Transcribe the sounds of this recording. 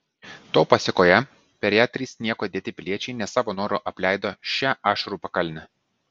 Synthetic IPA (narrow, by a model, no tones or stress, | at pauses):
t̪oːpɐsʲɪkoːjɛ | pʲɛɾʲjæːt̪ʲɾʲiːsnʲiɛkoːtd̪ʲeːt̪ʲɪpʲɪlʲiɛt͡ʃʲɛɪnʲɛsɑːʋoːnoːɾoːʔɐpʲlʲæˑɪd̪oːʃʲæːʔɑːʃɐɾuːpɐkɐlʲnʲɛ